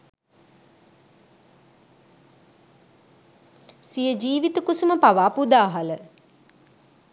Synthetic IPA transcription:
sijəd͡ʒiːʋit̪ukusuməpaʋaːpud̪aːɦalə

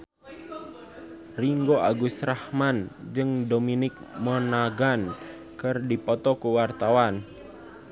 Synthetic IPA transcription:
riŋɡoʔaɡusɾahmand͡ʒɨŋdominɪk̚mənaɡan | kɨrdipɔt̪ɔkuwart̪awan

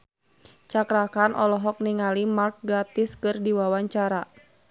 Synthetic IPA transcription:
t͡ʃakɾakanʔɔlɔɦɔk̚niŋalimark̚ɡɾat̪ɪskɨrdiwawaɲt͡ʃaɾa

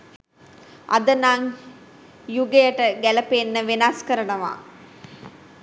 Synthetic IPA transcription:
ʔa̰d̪ənaŋ | juɡejəʈəɡæləpenːəʋenaskəɾənəʋa̰

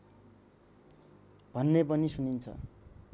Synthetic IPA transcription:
bʱʌnːepʌnisunint͡sʰʌ̰

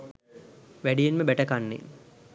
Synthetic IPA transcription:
ʋæɖijenməbæʈɐkanːḛ

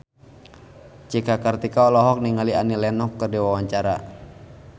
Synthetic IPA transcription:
t͡ʃikakərt̪ikaɔlɔɦɔk̚niŋalianilɛnɔkːərdiwawaɲt͡ʃaɾa

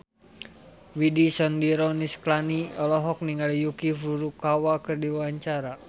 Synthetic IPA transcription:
widisɔndiɾɔnisklaniɔlɔɦɔk̚niŋalijukifuɾukawakɨrdiwaɲt͡ʃaɾa

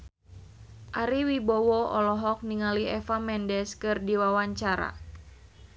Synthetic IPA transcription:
ʔaɾiwibɔwɔɔlɔɦɔk̚niŋaliɛfamɛndɛskɨrdiwawaɲt͡ʃaɾa̰

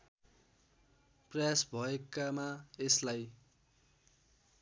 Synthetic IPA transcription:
prʌjasbʱʌekamaeslaj

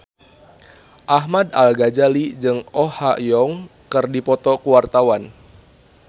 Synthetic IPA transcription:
ʔaɦmada̰lɡad͡ʒalid͡ʒɨŋʔɔhaʔjɔŋkɨrdipɔt̪ɔkuwart̪awan

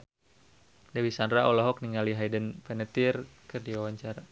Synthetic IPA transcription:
dawisandɾaʔɔlɔɦɔk̚niŋaliɦajdənpɛnət̪irkɨrdiwawaɲt͡ʃaɾa

